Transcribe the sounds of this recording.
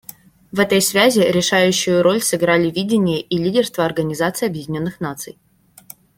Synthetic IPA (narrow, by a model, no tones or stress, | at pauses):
vɛt̪əjsvʲæzʲɪɾʲɪʂajʉɕːʊjʊɾolʲsɨɡɾalʲɪvʲidʲɪnʲɪjəʔilʲidʲɪrst̪vəɐrɡənʲɪzat̪sɨɪjɐbjɪdʲɪnʲo̞nːɨxnat̪sɨ̰j